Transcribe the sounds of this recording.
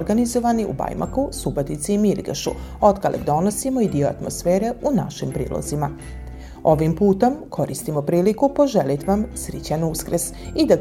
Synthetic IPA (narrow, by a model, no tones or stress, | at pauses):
ɾɡanizoʋaniṵba̰jma̰kusubot̪it̪siimiɾɡeʃṵo̞t̪kalʔḛɡd̪o̞nosimo̞id̪ioa̰t̪mo̞̰sfeːɾe̞unaʃimpɾḭːlˠo̰zima | o̞ʋimpuːt̪o̞mkʰo̞ɾist̪imo̞pɾiːlikupo̞ʒelit̪ʋamsɾit͡ɕanuskɾəs | id̪a